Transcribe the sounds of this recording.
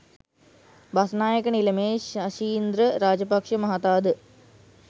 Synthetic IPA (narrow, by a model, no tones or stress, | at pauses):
bɐsnaːjəkɐnilɐmeːʃɐʃiːnd̪ɾəɾaːd͡ʒɐpɐkʂɐmɐɦat̪aːd̪